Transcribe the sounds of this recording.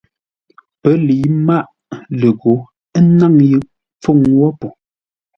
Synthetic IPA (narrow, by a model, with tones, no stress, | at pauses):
pə˨˦li˨˦ma˦ʔ | lə˨ɣo˨˦ | ə˦na˦˨ŋjɯ˨ʔ | p͡fo˦˨ŋwɔ˦po˨